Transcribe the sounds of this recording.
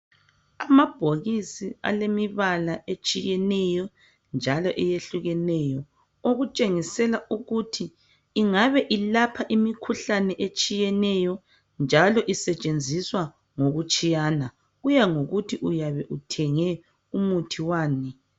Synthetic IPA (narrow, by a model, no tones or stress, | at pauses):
amab̥ʱoɣisia̰lemiβalaet͡ʃʼijɛnɛjɔ | nd͡ʒʱalɔʔɛjeɬuɣɛnɛjɔ | oɣut͡ʃʼeŋisɛlauɣutʰiː | ŋaβɛʔilapʰaʔimikʰuɬanɛʔet͡ʃʼijɛnɛjɔ | nd͡ʒʱalɔʔisɛt͡ʃʼend͡zʱiswa | ŋoɣut͡ʃʼijana | ɣujaŋoɣutʰiʔujaβɛʔutʰɛŋɛ | umutʰiwaːni